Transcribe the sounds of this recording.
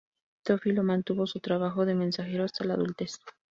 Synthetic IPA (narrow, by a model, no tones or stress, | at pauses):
t̪ofilomãnt̪uβo̞sut̪ɾaβaxo̞ðe̞mẽ̞nsaxeɾoast̪ala̰ðult̪es